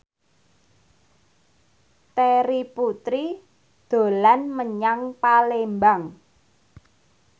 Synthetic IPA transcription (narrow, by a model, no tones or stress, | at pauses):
t̪eɾiput̪ɾi | d̪̥o̤lanməɲaŋpalembaŋ